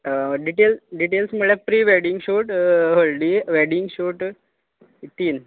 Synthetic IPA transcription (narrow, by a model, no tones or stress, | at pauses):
ɖiʈelɖiʈelsməɭɛpɾiːʋeɖiŋɡɕoʈɦolɖiʋeɖiŋɡɕoʈ | t̪iːn